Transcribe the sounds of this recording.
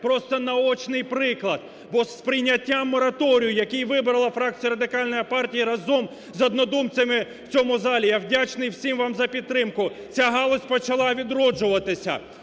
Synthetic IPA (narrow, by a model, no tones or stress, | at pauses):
pɾɔst̪ɔnɐɔt͡ʃnɪjpɾɪklˠɐd̪̚ | bɔspɾɪjnʲɐtʲːamːɔɾɐt̪ɔɾʲijʊjɐkijʋɪbɾɐlˠɐfɾɑk̚t͡sʲijɐɾɐd̪ɪkɑlʲnɔjipɑrtʲijiɾɐzɔm | zɔd̪nɔd̪umt͡sʲɐmɪ | w̥t͡sʲɔmʊzɑlʲijawdʲat͡ʃnɪjwsʲimʋɑmzɐpʲid̪̚t̪ːɾɪmkʊ | t͡sʲaɦɑlˠɔsʲpɔt͡ʃɐlˠɑʋʲid̪ɾɔd͡ʒʊʋɐt̪ɪsʲɐ̰